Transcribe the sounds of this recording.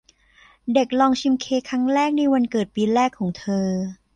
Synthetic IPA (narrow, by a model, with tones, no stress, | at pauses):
de˨˩k̚lɔː˧ŋt͡ɕʰi˧mkʰeː˧kʰɾa˦˥ŋɾɛː˥˩k̚na˧jwa˧nkɤː˨˩t̪̚piː˧ɾɛː˥˩kʰːɔː˩˦ŋt̪ʰɤː˧